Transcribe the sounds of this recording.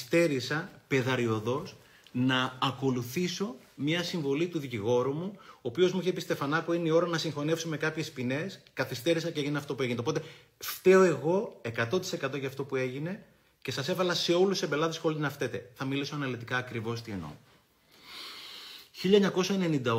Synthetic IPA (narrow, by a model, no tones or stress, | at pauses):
st̪e̞ɾisɐpe̞ðɐɾio̞ðo̞s | nɐːko̞luθiso̞ | mɲɐsiɱvo̞lit̪uðiciɣo̞ɾumuoːpio̞zmuiçepist̪e̞fɐnɐkuineio̞ɾɐnɐsiŋxo̞ne̞fsome̞kɐpçe̞spine̞skɐθist̪e̞ɾisɐceeʝineɐft̪o̞pue̞ʝinet̪̞po̞t̪e | ft̪e̞oe̞ɣo̞e̞kɐt̪ot̪i̥se̞kɐt̪o̞ʝɐːft̪o̞pue̞ʝine̞ | ce̞sɐse̞vɐlɐse̞o̞lusebe̞lɐðesxolinɐft̪et̪e̞θɐmilisoɐnɐlit̪ikɐːkɾivo̞st̪ieno̞̰ | çiʎɐeɲɐko̞sɐene̞nind̪ɐ